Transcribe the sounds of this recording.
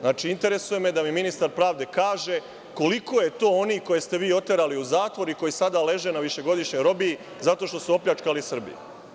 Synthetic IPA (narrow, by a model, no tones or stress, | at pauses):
znaːt͡ʃiint̪e̞ɾe̞suje̞med̪amiminist̪aɾpɾaːʋd̪e̞kaːʒe | ko̞liko̞je̞t̪o̞ːo̞niko̞je̞st̪e̞ʋiːo̞t̪eɾaliuzaːt̪ʋo̞ɾiko̞jisad̪ale̞ʒe̞naʋiʃe̞ɡo̞d̪iʃɲo̞jɾo̞bi | zat̪o̞ʃt̪o̞suo̞plʲat͡ʃkalisr̩bḭjṵ